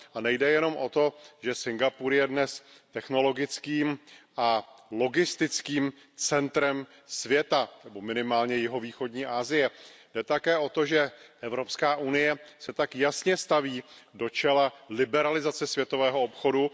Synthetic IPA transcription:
ʔanɛjdɛjɛno̞mʔo̞t̪o̞ʒɛsɪŋɡapuːɾjɛdnɛs | t̪ɛxno̞lo̞ɡɪt͡skiːmʔalo̞ɡɪst̪ɪt͡skiːm | t͡sɛnt̪ɾɛm | svjɛt̪anɛbo̞mɪnɪmaːlɲɛjɪɦoviːxo̞dɲiːʔaːzɪjɛ | dɛt̪akɛːʔo̞t̪o̞ʒɛʔɛvɾo̞pskaːʔunɪjɛsɛt̪akjasɲɛst̪aviːdo̞t͡ʃɛlalɪbɛɾalɪzat͡sɛsvʲjɛt̪o̞vɛːɦoopxo̞du

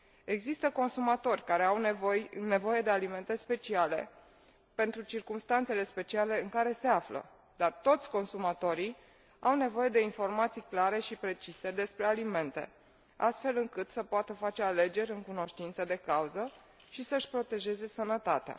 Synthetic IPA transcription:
e̞ɡzist̪əko̞nsumat̪o̞rʲkaɾe̞awojne̞vo̞je̞d̪e̞alime̞nt̪e̞spe̞t͡ʃiale̞̰ | pe̞nt̪ɾut͡ʃirkumst̪ant̪se̞le̞spe̞t͡ʃiale̞ɨŋkaɾe̞se̞aflə̰ | d̪̥art̪o̞t̪sʲko̞nsumat̪o̞ɾij | awne̞vo̞je̞d̪e̞info̞rmat̪sijklaɾe̞ʃipɾe̞t͡ʃise̞d̪e̞spɾe̞alime̞nt̪e̞̰ | a̰st̪fe̞lɨŋkɨt̪səpoat̪əfat͡ʃe̞ale̞d͡ʒe̞ɾʲɨŋkuno̞ʃt̪int̪səd̪e̞kauzə | ʃisəɨʃpɾo̞t̪e̞ʒe̞ze̞sənət̪at̪ea̰

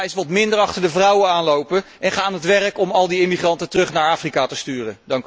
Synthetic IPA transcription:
ɪsʋɑtmɪndəɹɑχtəɹdəvrʌwəaːnlowpə | ɛnχaːaːnɦətʋɛrəkɔmɑlˠdiɪmiχrɑntətərɵχnaːɹaːfrikaːtəstyːrədɑŋk

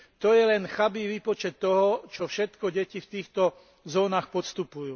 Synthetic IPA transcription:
t̪ɔjɛlɛnxabiʋiːpɔt͡ʃɛt̪ːɔɦɔt͡ʃɔfʃɛt̪kɔɟɛcift̪iːxt̪ɔ | zɔːnaːxpɔst̪upujuː

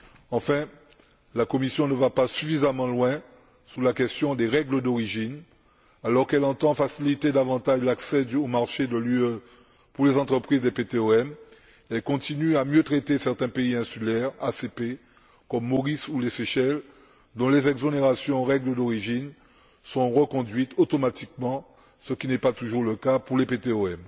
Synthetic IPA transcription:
ɑ̃fɛ̃ | lakɔmisjɔ̃nəvapasyfizamɑ̃lwɛ̃ | sulakɛst̪jɔ̃d̪eʁɛɡləd̪ɔʁiʒin | alɔʁkɛlɑ̃t̪ɑ̃fasilit̪ed̪avɑ̃t̪aʒlaksɛd̪omaʁʃed̪əlyø | puʁlezɑ̃t̪χəpχizd̪epet̪eøɛm | ɛlkɔ̃t̪inyamjøt̪χet̪esɛʁt̪ɛ̃peiɛ̃sylɛʁasepe | kɔmːoʁisuleseʃɛl | d̪ɔ̃lezɛɡzoneʁasjɔ̃ʁɛɡləd̪ɔʁiʒin | sɔ̃ʁəkɔ̃d̪ɥit̪ʰot̪omat̪ik̚mɑ̃ | səkʲinɛpat̪uʒuʁləkapuʁlepet̪eoɛm

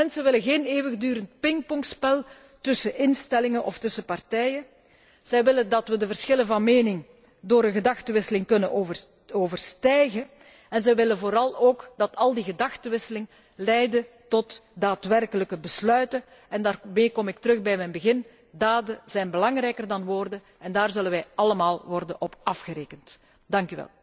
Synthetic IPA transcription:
mɛnsəʋɪləɣeːneːwəɣədyːɾənt̚pɪŋk̚pɔŋkspɛlˠ | tɵsəʔɪnstɛlɪŋənʔɔ̰ftɵsəpɑrtɛjə | z̥ɛjʋɪləndɑtwʋədəvərsxɪlənvɑnmeːnɪŋ | doːɾənɣədɑxtəʋɪsəlɪŋkɵnənovə | oːvərstɛjɣə | ɛnzɛjʋɪləvoːɾɑlˠoːkdɑtʰɑlˠdiɣədɑxtəʋɪsəlɪŋ | lɛjdə | tɔtdaːtʋɛrkələkəbəslœɥtə | ɛndaːrmeːkɔmɪk̚təɾɵɣbɛjmɛjnbəɣɪn | daːdəz̥ɛjnbəlɑŋrɛjkərdɑnʋoːrdən | ɛndaːrzɵlənʋɛjʔɑləmaːlˠʋɔrdənʔɔpɑfɣəɾeːkənt | d̥ɑŋkyʋɛ̰lˠ

